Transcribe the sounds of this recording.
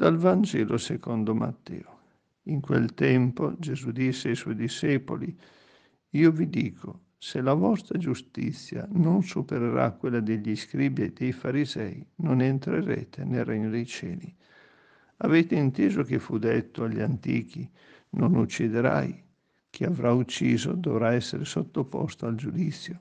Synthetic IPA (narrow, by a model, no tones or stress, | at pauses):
d̪̥alvand͡ʒɛːlosekond̪oma̰t̪ːɛ̰ːo | iŋkwḛlt̪ɛmpod͡ʒezud̪isːeajswɔjd̪iʃeːpoli | iːovid̪iːkʰo | selavɔst̪ɾad͡ʒust̪ḭt̪sːja̰nonsupeɾeɾa̰kːwelːad̪eʎːiskɾibjajd̪ejfaɾizɛjnonent̪ɾeɾḛːt̪ʰenerɛɲːod̪ejt͡ʃɛːli | aveːt̪eint̪eːzok̟efud̪et̪ːoaʎːant̪iːk̟i | nonut͡ʃːid̪eɾa̰j | k̟ʰiavɾʔaut͡ʃːiːzo̰d̪ovɾaɛsːeɾesot̪ːopɔ̰st̪oald͡ʒud̪it̪sːjo